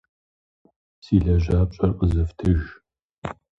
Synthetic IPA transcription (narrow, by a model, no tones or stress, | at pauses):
siːɮɐʒaːp̚ɕʼɐrqʼəzɨftʰɨʒ